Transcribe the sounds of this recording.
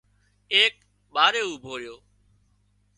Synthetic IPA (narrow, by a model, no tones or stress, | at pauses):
eːk̚ | ɓaːɾeːuːbʱoːɾɪjoː